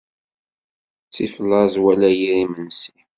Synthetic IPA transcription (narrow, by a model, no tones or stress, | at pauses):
t͡sifəlːɑzwælæjiɾimənsi